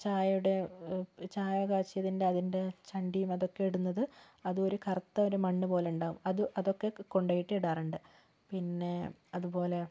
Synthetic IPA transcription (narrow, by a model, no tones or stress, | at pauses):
t͡ɕaːjɐuɽe̞ | t͡ɕaːjɐɡaːɕijɐðinde̞ɐðinde̞t͡ɕɐɳɖijumɐðo̞kːe̞iɽunːɐðɨ | ɐðɨo̞ɾukʰɐrɐt̪ːɐoɾumɐɳːɨpo̞ːleuɳɖaːɣumɐðɨʔɐðo̞kːe̞ko̞ɳɖɐːjiʈːiiɽaːruɳɖɨ | pinːe̞ | ɐðubo̞ːle̞